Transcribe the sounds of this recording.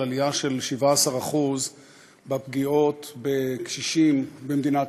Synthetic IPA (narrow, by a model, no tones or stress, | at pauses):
aliaʃe̞lʃivaasaʁaχuz | bapɡio̞t̪bekʃiʃimbemd̪inat